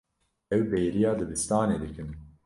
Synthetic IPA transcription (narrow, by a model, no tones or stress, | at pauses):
ɛwbɛjɾijɑːlɨbɨst̪ɑːneːd̪ɨkɨn